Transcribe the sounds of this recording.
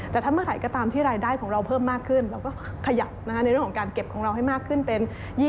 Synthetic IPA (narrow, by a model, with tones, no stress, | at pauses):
t̪ɛː˨˩t̪ʰaː˥˩mɯ˥əɾa˩˦jkɔː˥˩t̪aː˧mt̪ʰiː˥˩ɾaː˧jdaː˥˩jkʰɔː˩˦ŋɾa˧wpʰɤː˥˩mːaː˥˩kʰɯ˥˩nɾa˧wkɔː˥˩ | kʰa˧ja˨˩p̚na˦˥kʰa˦˥n˧jɾəŋʰɔ˩˦kaː˧nke˨˩p̚kʰɔː˩˦ŋɾa˧wɦa˥˩jmaː˥˩kʰːɯ˥˩npe˧n | jiː˥˩